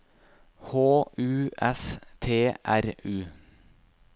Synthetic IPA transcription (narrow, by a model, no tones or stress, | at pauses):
hoːʔʉːʔɛst̪ʰeːʔæɾʉː